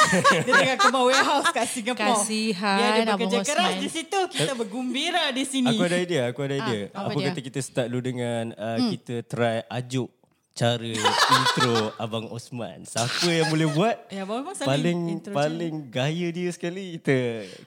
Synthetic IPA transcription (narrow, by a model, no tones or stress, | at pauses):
diət̪aɡakəmaweɦawskaʔsiŋɡapɔiɦaaəbəkəd͡ʒakəɾasdisit̪ukiəbəɡumbiɾadisinaĩkuadadiəakuadaidiəa̰pəkat̪əkit̪əsə̥t̪aʔ̚ludəŋanəkit̪ət̪ɾajad͡ʒʊʔ | t͡ʃaɾəint̪ɾoabaŋɔ̰smã̰nsapəjaŋmulɛhbuat̪̚jabamaspalɪŋpalɪŋɡajədiəsə̥kalikit̪ə